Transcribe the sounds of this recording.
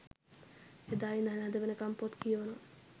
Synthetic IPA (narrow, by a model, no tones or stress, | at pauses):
ed̪aːʋinanɛd̪əʋenəkampot̪kijəono